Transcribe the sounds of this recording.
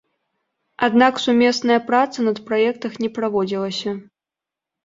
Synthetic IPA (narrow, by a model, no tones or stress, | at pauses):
ad̪naksumʲɛsnɐjɐpɾat̪sɐnɐt̪pɾajɛkt̪ɐxnʲɛpɾavɔd͡zʲilˠɐsʲɐ